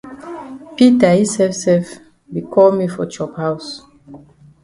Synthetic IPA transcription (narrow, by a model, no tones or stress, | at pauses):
pitahisɛvsɛf | bikʰɔlmifɔ̰t͡ʃɔphaws